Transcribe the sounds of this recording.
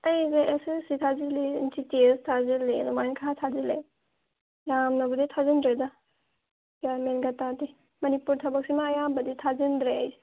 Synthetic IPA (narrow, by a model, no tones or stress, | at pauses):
əjzeʔesɯsitʰazilintitistʰazilenumajnkʰaatʰazilḛ | jamnɔbɐditʰazindɾeda | bjaɾmenɡatadi | mɐnipuɾtʰɐbɐk̚simajabɐditʰazindɾej